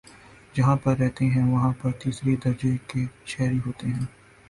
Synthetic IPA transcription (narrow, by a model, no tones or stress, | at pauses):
d͡ʒɐɦãpɐɾːɛɦt̪eɦɛ̃ʋɐɦãpɐɾt̪iːsɾed̪ɐɾd͡ʒekeʃɛːɾiɦoːt̪eɦɛ̃ː